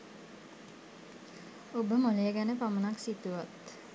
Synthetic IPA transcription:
obəmolejəɡænəpamənaksit̪uʋat̪

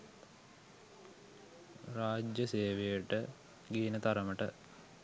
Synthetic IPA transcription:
raːd͡ʒjəseːʋejəʈə | ɡiːnət̪aɾəməʈə̰

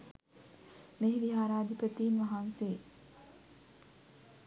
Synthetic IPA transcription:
meɦiʋiɦaːɾaːd̪ipət̪iːnʋaɦanseː

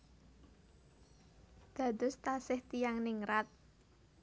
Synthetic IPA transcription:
d̪̥ä̤d̪̥ʊ̤st̪asɪht̪ijaŋnɪŋɾat̪̚

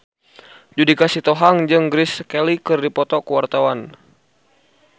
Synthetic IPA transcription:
d͡ʒudikasit̪ɔɦaŋd͡ʒɨŋɡɾiskɛlikɨrdipɔt̪ɔkuwart̪awan

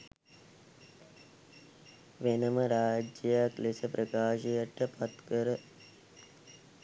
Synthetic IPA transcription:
ʋenɐmɐɾaːd͡ʒɐjaklisɐpɾɐkaːʂijɐʈːɐpɐt̪kɐɾɐ

